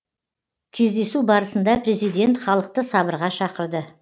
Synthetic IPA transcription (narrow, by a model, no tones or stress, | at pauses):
kʲʰe̞zd̪e̞subɑɾəsənd̪ɑpɾʲe̞zijd̪ʲe̞nt̪χɑlˠəq̚t̪əsɑbəɾʁɑʃɑqəɾd̪ə